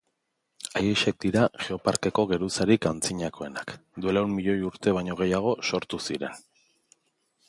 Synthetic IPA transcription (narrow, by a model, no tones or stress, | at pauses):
ajeʃe̞k̚d̪iɾaʝeo̞paɾke̞ko̞ɣe̞ɾusaɾikant͡siɲako̞e̞nakd̪ue̞lawnmiʎo̞juɾt̪e̞β̞ajɲo̞ɣ̞e̞jaɣ̞o̞so̞ɾt̪usiɾe̞̰n